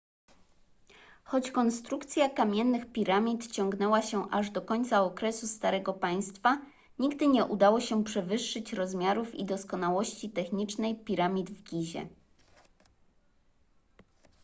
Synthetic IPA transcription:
xɔt͡ɕkɔnst̪ɾukt̪sʲjakamʲjɛnːɘxpʲiɾamʲit̪t͡ɕɔŋɡnɛwaɕɛʔaʐd̪ɔkɔɲʲt̪saɔkɾɛsust̪aɾɛɡɔpaj̃st̪fa | ɲiɡd̪ɘɲɛʔud̪awɔɕɛpʂɛvɘʂːɘt͡ɕɾɔzmʲjaɾufḭd̪ɔskɔnawɔɕt͡ɕit̪ɛxɲit͡ʂnɛjpʲiɾamʲid̪vɡʲiʑɛ̰

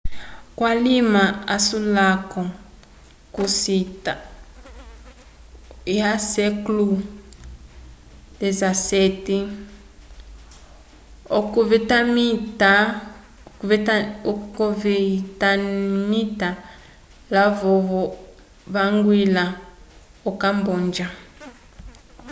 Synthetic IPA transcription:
kwalimaasulakɔ | kusita | jasɛklu | dezaseti | kvɛtamta | kɔvitamita | lavɔvɔ | βaŋɡwila | ɔkambɔnd͡ʒa

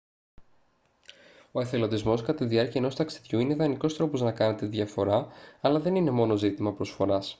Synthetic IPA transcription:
o̞eθe̞lo̞d̪izmo̞skɐt̪iðiɐɾciɐeno̞st̪ɐksi̥ðʝuine̞ðɐniko̞st̪ɾo̞po̞znɐkɐne̞t̪eðʝɐfo̞ɾɐɐlɐðe̞nine̞mo̞no̞zit̪imɐpɾo̞sfo̞ɾɐs

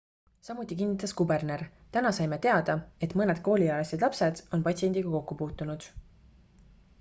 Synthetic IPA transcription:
sɑmut̪ʲːˑik̬inːit̪ːˑɑskube̞rne̞rt̪ænɑsɑjmet̪e̞ɑd̪̥ɑe̞t̪ˑmɤne̞d̪̥̚ko̞ːlʲiɑlesed̪lɑpse̞d̪̥o̞npɑtʲsie̞nd̪̥iɡ̥ɑko̞kːupuːt̪ːˑunud̪̥

